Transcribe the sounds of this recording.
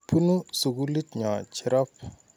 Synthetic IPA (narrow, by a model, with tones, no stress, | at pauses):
pʰu˦nu˦su˨ɡu˦li˦tɲa˨t͡ʃi˦ɾa˦p